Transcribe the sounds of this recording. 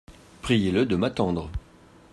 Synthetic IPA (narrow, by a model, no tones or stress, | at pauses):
pχijeləd̪əmat̪ɑ̃d̪ʁə